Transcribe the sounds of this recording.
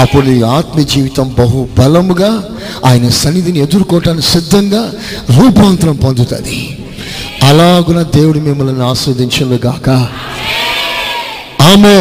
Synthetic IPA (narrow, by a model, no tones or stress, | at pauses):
ɐpːuɽnuiaːt̪mɐd͡ʒiːʋit̪ɐmbɐɦubʱɐlɐmɡaː | aːjɐnɐsɐnːid̪inie̞d̪uɾukɔːʈaːnikisid̪ʱːɐŋɡaː | ɾuːpaːnt̪ɾɐmpond̪ut̪ɐ̰d̪i | ɐlaːɡunɐːd̪eːwuɽumimːɐlɐniaːsuːd̪iɲt͡ʃɐnluɡaːkɐ | aːme